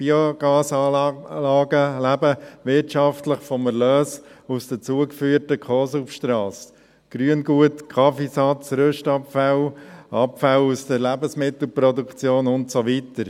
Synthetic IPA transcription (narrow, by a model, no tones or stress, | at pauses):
b̥ioɡ̥ɑːsɑːlɑːɡəlæbəʋɪɾtʃɑftləχfɔməlœːsusd̥ət͡suəkfyːəɾtəkʰɔːsufʃtɾɑːs | ɡ̥ɾyənɡuətkʰɑfisɑt͡sɾøʃtɑpfalʔɑpfalusd̥əɾlæbəsmɪtl̩pɾɔdukt͡sjoːnʊntsoʋitəɾ